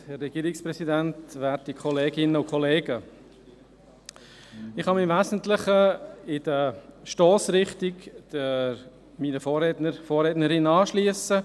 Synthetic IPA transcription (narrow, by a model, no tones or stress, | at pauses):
hɛrːɛɡ̥iːɾɪksprɛsidæntʋæːɾtikʰχɔleːɡɪnəʊkʰɔleːɡə | ɪχhɑmɪmvæːsn̩tləχəɪd̥əʃtɔːsɾɪχtɪɡd̥ə | miːnəfɔːrɛtnəɾfɔːrɛːtnəɾɪnɑːʃliəsə